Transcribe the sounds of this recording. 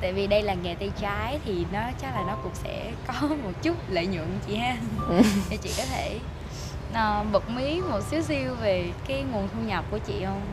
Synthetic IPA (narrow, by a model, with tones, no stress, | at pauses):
t̪a̰ː˧˨jvi˨˩ɗə˧jlaː˨˩ŋɛ˨˩t̪ə˧˩t͡ɕaː˨˦jt̪ʰi˨˩nɔ˨˦t͡ɕa˨˦laː˨˩nɔ˨˦kʊ̰˧˥ŋ͡msɛ̰˧˥ | kɔ˨˦mo˨˩t̚t͡ɕu˦˥t̚lḛː˧˨ɲɨ̰˧˨əŋt͡ɕḭ˧˨haː˧ɲa˨˩t͡ɕḭ˧˨kɔ˨˦t̪ʰe˧˩ | ʔəː˨˩ɓə˨˩k͡p̚mi˨˦mo˨˩t̚si˨˦wsi˧əwve˨˩kaː˨˦jŋu˨˩ənt̪ʰu˧ɲa˨˩p̚ku˧˩ət͡ɕḭ˧˨hə˧wŋ͡m